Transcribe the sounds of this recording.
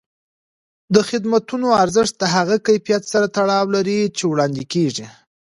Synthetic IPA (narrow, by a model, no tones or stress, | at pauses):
d̪əxɪd̪mat̪unoaɾzəʂt̪̚d̪aɦaɣakajfijat̪saɾat̪aɽɑwlaɾit͡ʃewɽɑnd̪ikeʐi